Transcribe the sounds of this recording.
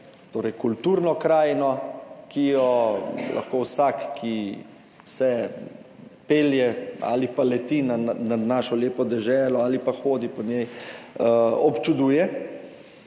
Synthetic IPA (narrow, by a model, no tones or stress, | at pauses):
t̪oːɾɛjkult̪uːɾnɔkɾaːjnɔkijɔlʔa̰xkoːwsakːʰi | sɛ | peːljɛa̰ːlipalɛt̪inananaːʃɔleːpɔd̪ɛʒɛːlɔaːlipaxoːd̪ipɔnjɛj | ɔpt͡ʃud̪uːjɛ